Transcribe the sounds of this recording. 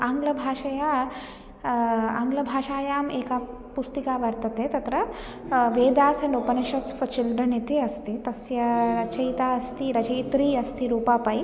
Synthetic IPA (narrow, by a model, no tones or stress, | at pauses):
aːŋɡlɐbʱaːʃɐja | aŋɡlɐbʱaːʃaːjaːmeːka | pust̪ikaːʋɐɾt̪ɐt̪et̪ɐt̪ɾɐ | ʋeːd̪aːsɐɳɖopɐnɐʃɐtsfɐt͡ʃilɖɾɐnit̪iɐst̪it̪ɐsjɐɾɐt͡ʃɐjt̪aːɐst̪iɾɐt͡ʃɐjt̪ɾiːɐst̪ʰiɾuːpaːpɐj